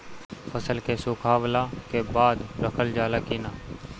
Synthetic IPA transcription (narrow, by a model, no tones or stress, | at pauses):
pʰəsəlkeːsʊːkʰaːʋlaːkeːbaːd̪ɾəkʰəld͡ʒaːlaːkiːnaː